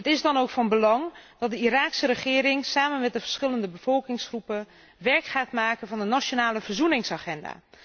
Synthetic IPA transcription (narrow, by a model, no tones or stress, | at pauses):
ətɪzdɔnowkfɑnbəlɑŋd̥ɔt̚dəiɾaːksəɾəχɪːɾɪŋsaːmənmɛt̚dəvəɹsχɪləndəbəv̥ɔlˠkɪŋsχrupə | ʋɛrkχaːtmaːkənvɑndənat͡ʃonaːləvərzunɪŋsaχɛnda̰ː